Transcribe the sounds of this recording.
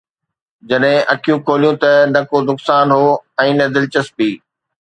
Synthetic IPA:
d͡ʑɐɗɦɪ̃ʔɐkʰijũkʰoːlijũt̪ɐnɐkod̪ʊksaːnɦoːɛ̃ːnɐd̪ɪlt͡ɕəspiː

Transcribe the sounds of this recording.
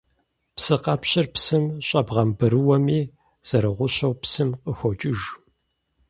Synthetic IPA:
psɨqɐpɕɪrpsɨmɕʼɐbʁɐmbɨɾɨwɐmiː | z̥ɐɾɨʁʷʊɕɐwpsɨmqəxʷɔt͡ʃʼɪʒ

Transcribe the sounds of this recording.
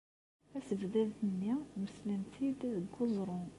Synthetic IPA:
æsəvd̪æðt̪ənːiməslənt̪ʰid̪əɡːozˤɾˤo

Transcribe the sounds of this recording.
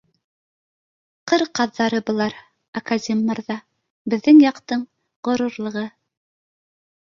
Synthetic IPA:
qɤɾqɑðːɑɾɤbŏlˠɑɾ | ɐkazʲemːɑɾðɑ | bɘ̆ðːɘŋjɑqt̪ɤɴ | ʁŏɾuɾlˠɤ̆ʁɤ

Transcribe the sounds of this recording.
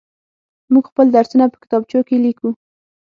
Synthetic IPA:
muɡxpəld̪aɾsunapə̥kɪ̥t̪ɑb̚t͡ʃokeliku

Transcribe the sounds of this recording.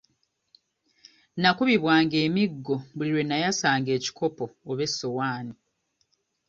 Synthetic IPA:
nakuβiβwaːŋɡe̞ːmiɡːo̞βuliɾwe̞nːajasaːŋɡe̞ːci̥kʰo̞po̞ːβe̞sːo̞waːni

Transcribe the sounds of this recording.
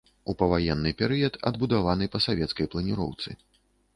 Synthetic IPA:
upɐvajɛnːɨpʲɛɾɨjɐt̪ɐ̰d̪̚bud̪avanɨpɐsavʲɛt̪skɐjplˠɐnʲiɾɔ̰wt̪sɨ̰

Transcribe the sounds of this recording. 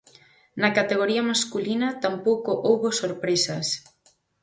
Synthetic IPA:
nɐkat̪eɣ̞oɾiɐmaskulinɐt̪ampowkoʔowβosoɾpɾesɐs

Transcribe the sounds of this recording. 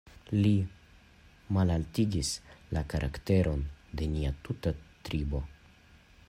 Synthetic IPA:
li | malaltiɡislakaɾʔa̰kte̞ɾʔo̞nde̞niatutatɾibo̞

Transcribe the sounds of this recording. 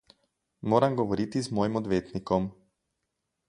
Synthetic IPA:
moːɾamɡoʋoɾit̪izmojimɔd̪ʋeːt̪nikɔm

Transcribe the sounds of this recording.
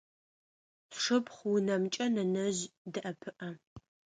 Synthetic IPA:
ʂɨpχʷwʊnɐmt͡ʃʼɐnɐnɐʑdɨʔɐpʰɨʔɐ

